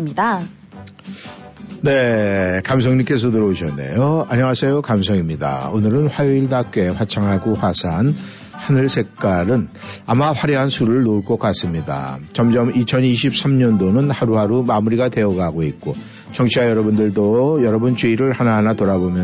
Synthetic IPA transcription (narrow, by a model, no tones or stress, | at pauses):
mɲida | ne̞kams̬ʰʌŋɲimk͈e̞s̬ʰʌtɯɾʌoɕʰʌnːḛjoaɲʌŋasʰejokamsʰʌŋimɲida̰onɯɾɯnɸwajoiɭdak͈e̞ɸwat͡ɕʰaŋɦaɡoɸwasʰan | hanɯɭsʰe̞k̚k͈aɾɯnamaɸwaɾeɦansʰuɾɯɭnouɭk͈ʌk͈as͈ɯmɲida̰t͡ɕʌmd͡ʑʌmit͡ɕʰʌniɕʰip̚s͈ʰamɲʌndonɯnhaɾuɦaɾumamuɾiɡate̞ʌɡaɡoik̚k͈o | t͡ɕʌŋt͡ɕʰiajʌɾʌbundɯɭdojʌɾʌbunt͡ɕuiɾɯɭhanaɦanatoɾabomjʌ